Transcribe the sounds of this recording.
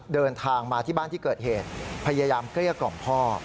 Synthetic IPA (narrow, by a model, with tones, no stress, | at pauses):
dɤː˧nt̪ʰaː˧ŋmaː˧t̪ʰiː˥˩baː˥˩nt̪ʰiː˥˩kɤː˨˩t̪̚heː˨˩t̪̚pʰa˧jaː˧jaː˧mkli˥˩ɐkɔ̰˨˩mpʰɔː˥˩